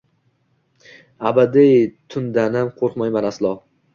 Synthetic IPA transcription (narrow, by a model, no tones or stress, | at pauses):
abad̪ɪjt̪ʰʊnd̪anamqʰoɾqmajmanaslˠɒ